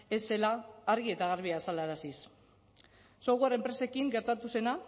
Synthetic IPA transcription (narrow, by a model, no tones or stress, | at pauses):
e̞se̞laːɾɣie̞t̪aɣ̞aɾβiasalaɾasis | soɣuare̞mpɾe̞se̞kiŋɡe̞ɾt̪at̪use̞na